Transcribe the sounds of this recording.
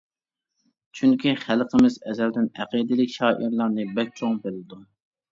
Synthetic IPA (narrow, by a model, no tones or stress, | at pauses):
t͡ʃʰyŋkʲʰiχælˠqʰəmɪzɛzɛld̪ɪnɛqid̪ɪlɪkʲʃɑːʔiɾlˠɑɾnɨbɛk̚ʲt͡ʃʰoŋbelɪd̪u